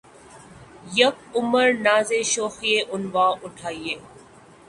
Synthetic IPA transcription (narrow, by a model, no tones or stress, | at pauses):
jək̚ʊməɾnaːzeːʃoːxijeːʔʊnʋaːʔʊʈʰaːieː